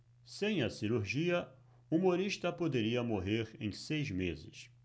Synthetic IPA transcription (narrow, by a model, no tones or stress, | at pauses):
sẽj̃ɐsiɾuɾʒiɐ | umoɾiʃt̪ɐpod̪eɾiɐmoɦeɾḛ̃j̃sejzmezɪ̰s